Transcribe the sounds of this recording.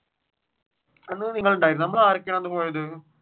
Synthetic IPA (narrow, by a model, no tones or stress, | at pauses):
ɐnːɯniːŋɡɐɭʊɳɖaːjɾnɐmːɐɭaɾɐkːɐɳ̃ɐnd̪ɯpoːɻɐðɯ